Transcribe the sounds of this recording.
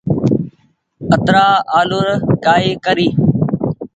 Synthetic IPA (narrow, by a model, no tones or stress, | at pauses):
ət̪ɾaːaːlʊɾkaːeːkəɾiː